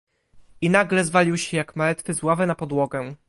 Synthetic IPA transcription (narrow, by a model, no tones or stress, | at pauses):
inaɡlɛzvalʲiwɕɛjakmalɛt̪fɘzwavɛnapɔd̪wɔɡɛ